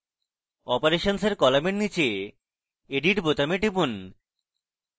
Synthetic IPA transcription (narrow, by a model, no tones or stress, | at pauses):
ɔpoɾeʃonseɾkɔlameʈnit͡ɕe | eɖiʈbot̪ameʈibun